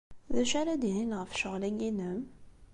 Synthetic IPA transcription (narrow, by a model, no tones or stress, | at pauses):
ðæʃaɾad̪ihinʁəfʃəʁlæjinəm